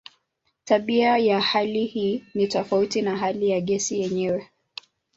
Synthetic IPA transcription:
taɓiajahalihiːnitɔfautinaɦalijaɠɛsijɛɲɛwɛ

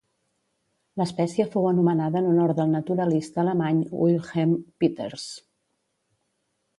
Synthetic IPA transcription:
ləspɛsiəfowənumənaðəːnunɔɾt̪d̪əlˠnət̪uɾəlist̪əːləmaɲwilˠxempit̪ḛɾs

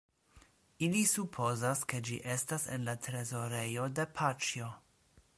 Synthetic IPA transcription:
ilisupʰo̞zaske̞d͡ʒḭʔe̞stasḛnlatɾe̞zo̞ɾe̞jo̞de̞pʰat͡ʃjo

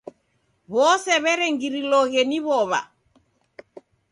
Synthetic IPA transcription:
βɔsɛβɛɾɛŋɡiɾilɔɣeniβɔβa̰

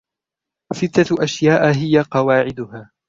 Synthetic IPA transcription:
sɪt̪ːaʔaʃjaːʔɦɪjaqɑwaːʕɪd̪ʊhaː

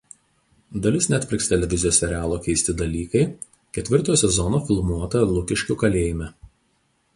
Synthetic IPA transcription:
d̪ɐlʲɪsnʲɛt̪ʲpʲɾʲɪkst̪ʲɛlʲɛʋʲɪzʲɪjoːsʲɛɾʲæːlˠoːkʲɛɪsʲt̪ʲɪd̪ɐlʲiːkɐɪ | kʲɛt̪ʲʋʲɪɾt̪oːjsʲɛzɔnoːfʲɪlˠmuɔt̪ɐlˠʊkʲɪʃʲkʲʊkɐlʲeːjɪmʲɛ

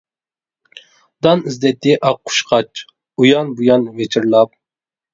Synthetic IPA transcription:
d̪ɑnizd̪ɛt̪ʰːɪʔɑqʰːʊ̥ʃqʰɑt͡ʃ | ujɑnbujɑnːɨmet͡ʃʰiɾlˠɑp̚

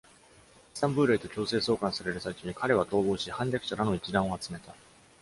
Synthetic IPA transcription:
sãmbɯ̟ːɾeit̪o̞kʲo̞ːse̞ːso̞ːkãɰ̃saɾe̞ɾɯ̟sait͡ɕoɲ̟ikaɾe̞β̞at̪o̞ːbo̞ːɕihãɲdʲakɯ̟ɕaɾano̞it͡ɕid̪ãɰ̃o̞at͡sɨme̞t̪a

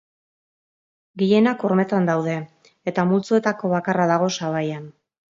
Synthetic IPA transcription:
ɡije̞nako̞ɾme̞t̪and̪awðe̞ː | t̪amult͡sue̞t̪ako̞βakaraðaɣ̞o̞saβajan

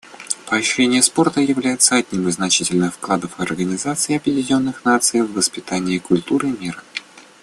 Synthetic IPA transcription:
pəɐɕɾʲenʲɪjəspo̞rt̪əjɪvlʲæjɪt̪səɐdʲnʲimɨznɐt͡ɕitʲɪlʲnɨxfklˠad̪əfɐrɡənʲɪzat̪sɨɪɐpjɪdʲɪnʲo̞nːɨxnat̪sɨjvːəspʲɪt̪anʲɪːkʊlʲt̪uɾɨmʲiɾə

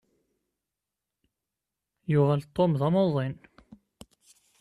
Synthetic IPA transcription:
jʊʁælt̪ˤːomðæmoðˤen

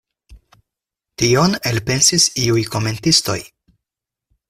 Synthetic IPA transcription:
tio̞ne̞lpe̞nsisiujko̞me̞ntisto̞̰j

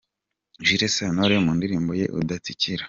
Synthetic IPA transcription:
ʒiɾesanoɾemuːndiɾiːmboje̞̰ʔṵdat͡siciɾa

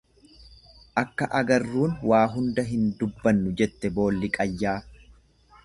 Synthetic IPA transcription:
ʔɐkːɐʔɐɡɐrːuːnwaːɦʊnd̪ɐɦɪnd̪ʊbːɐnːʊd͡ʒɛt̪ːɛbo̞ːlːɪkʼɐjːaː

